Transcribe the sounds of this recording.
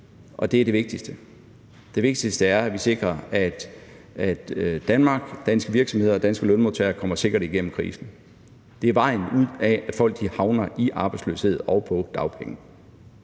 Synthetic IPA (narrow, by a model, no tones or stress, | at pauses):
ʔɒ̽d̥e̝æɐɾe̝ʋe̝ɡ̥̚d̥isd̥ə | d̥e̝ʋe̝ɡ̥̚d̥isd̥əæɐæʋise̝ɡ̥ʁɐæd̥ | æd̥d̥ænmɑ̈ːɡ̥d̥ænsɡ̥əʋiɐɡ̥sɒmhe̝ð̞̰ˠɐɒd̥ænsɡ̥əlɔ̽nmot͡sʰeːɐkʰɒ̽m̰ɐse̝ɡ̥ɐɾ̥iɡ̥en̰m̩kʰʁḭːsn̩ | d̥e̝æɐʋɑ̈ɪ̰n̩uð̰ˠææd̥fɒ̽l̰ɡ̥d̥ihɑ̈ʊnɐʔiʔɑ̈ːb̥ɑ̈ɪdslø̰ːshe̝ð̰ˠɒʊpʰɒ̽d̥ɑ̈ʊpʰeŋə